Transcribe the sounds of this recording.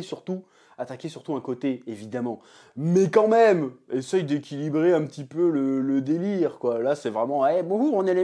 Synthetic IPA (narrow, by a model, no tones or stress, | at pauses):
syʁt̪u | at̪akʲesyʁt̪uɛ̃kot̪eevid̪amɑ̃ | mɛkɑ̃mɛmesɛjd̪ekʲilibʁeɛ̃pət̪ipølələd̪eliʁkwalasɛvʁɛmɑ̃ɛbɔ̃uɔ̃nele